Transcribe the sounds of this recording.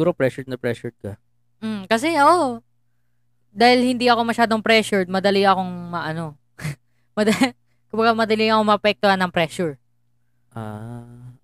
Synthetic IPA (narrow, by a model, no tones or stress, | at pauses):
uːɾopɾɛʃʊnɐpɾɛʃʊɹd̪̚kɐ | m̩kɐsɛʔɐʔo | d̪aːhɪlhɪnd̪iʔɐko̞mɐʃaːd̪o̞ŋpɾɛːʃʊɹd̪̚mɐd̪ɐliɐko̞ŋmɐʔɐno̞ | mɐd̪ɐ | kʊmbɐɡamɐd̪ɐliɐkoŋmɐʔɐpɛk̚t̪ohanːɐŋpɾɛːʃuɹ | ʔaː